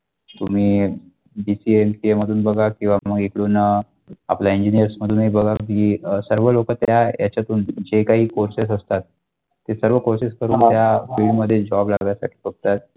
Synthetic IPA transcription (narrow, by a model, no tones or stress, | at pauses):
t̪um̤iː | bisiemsieməd̪ʱuːnbəɡakĩw̃ʋaməɡikɽuːnə | a̰plaiɲd͡ʑinijəɾsməd̪ʱuːnɦibəɡʱakiːsəɾʋəlokət̪jjaja̰t͡ɕjat̪uːnd͡ʑekaɦiːkoɾses̬əst̪at̪̚ː | esəɾʋəkoɾsiskəɾuːnt̪jafiɭɖməd̪ʱːjed͡ʑɔblaɡjasa̰ʈʰi̥ːfəɡ̚t̪at̪̚